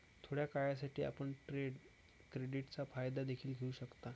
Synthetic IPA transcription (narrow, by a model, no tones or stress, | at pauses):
t̪ʰoɽjakajasaʈʰiːa̰pəɳʈɾeɖ | kɾeɖiʈt͡safajd̪ad̪ekʰiːlɡʱeuɕəkt̪a